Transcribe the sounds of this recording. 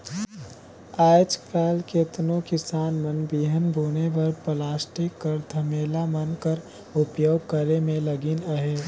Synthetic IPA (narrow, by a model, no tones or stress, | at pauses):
aːjt͡ʃkʰɛːlket̪nokɪsaːnmənbiːɦənbʱuːnebɐɾpəlaːsʈikːəɾd̪ʰʱəmeːlamənkəɾ | ʊpjoːɡkəɾemẽləɡinəɦe